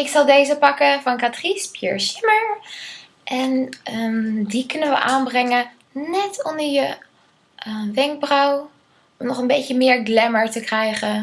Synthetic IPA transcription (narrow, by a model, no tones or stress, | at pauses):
ɪksɑlˠdejzəpɑkəvɑnkatrispjə̰ɹsɪməɹ | ʔɛnədikɵnənʋə̰ʔaːnbrɛŋə | nɛtɔndəɹjə | ʋɛŋk̚brɔw | ɔmnɔχənbejcəmɪːɹɡlɛməɹtəkrɛjχə